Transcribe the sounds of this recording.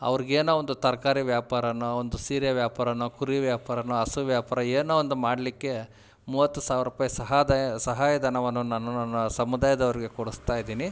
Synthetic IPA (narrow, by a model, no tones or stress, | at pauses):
ɐ̰ʋɐɾiɡeːnoond̪ut̪ɐɾɐkaːɾiʋjaːpaːɾɐnuond̪usiːɾjɐʋjaːpaːɾɐnukuɾiʋjaːpaːɾɐnuɐsuʋjaːpaːɾɐeːnoːond̪umaːɽlikːe̞ | muːʋɐt̪ːusaːʋiɾuːpaːjɐsɐɦaːd̪sɐɦaːjɐd̪ʱɐnɐʋɐnːunaːnunanːɐsɐmud̪aːjɐd̪ɐʋɐɾiɡe̞koɽust̪aːjid̪iːni